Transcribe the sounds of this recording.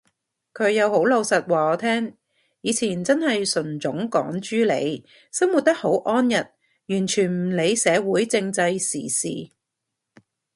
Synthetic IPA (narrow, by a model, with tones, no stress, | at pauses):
kʰɵ˨˧ɥjɐ˨˧who˨˥wlo˨˧wsɐ˨t̚waː˨˩ɔː˨˧t̪ʰɛː˥ŋ | jiː˨˧t͡sʰiː˨˩nt͡sɐ˥nhɐ˨jsɵ˨˩nt͡sʊ˨˥ŋkɔ̰ː˨˥ŋt͡ʃyː˥lḛ˨˧j | sɐ˥mu˨t̚t̪ɐ˥k̚ho˨˥wʔɔː˥njɐ˨˩t̚ | jyː˨˩nt͡ʃʰyː˨˩nm̩˨˩le˨˧jsɛː˨˧wuː˨˥jt͡sɪ˧ŋt͡sɐ˧jsiː˨˩sḭː˨